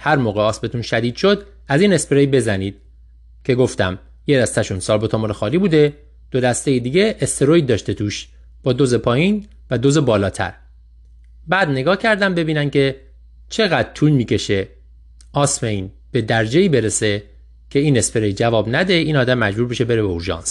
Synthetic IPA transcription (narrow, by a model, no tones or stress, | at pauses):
hæɾmoːɣeɒːsmet̪ʰunʃæd̪iːd̪̥ʃod̪ | æziːne̞speɾejbe̞zæniːd̪̥ | cʰe̞ɡo̞ft̪æ̰m | jed̪æst̪æʃunsɒːlbot̪ʰɒmɒːɾexɒːliːbuːd̪e̞ | d̪̥o̞d̪æst̪e̞jed̪iːɟe̞ʔːst̪ʰeɾoj̚d̪ɒːʃt̪e̞t̪ʰuːʃ | b̥ɒːd̪ozepʰɒːjiːn | væd̪oze̞bɒːlɒːt̪ʰæ̰ɾ | bæːd̪ne̞ɡɒːhcʰæɾd̪æmbe̞biːnæncʰe̞ | t͡ʃʰe̞ɣæd̪̚t̪ʰuːlmiːcʰe̞ʃe̞ | ʔɒːsmejn | b̥e̞d̪æɾd͡ʒeiːbe̞ɾese̞ | cʰe̞iːne̞speɾejd͡ʒævɒːbnæd̪e̞iːnɒːd̪æmːæd͡ʒbuːɾbeʃe̞be̞ɾebeoɾʒɒ̰ːns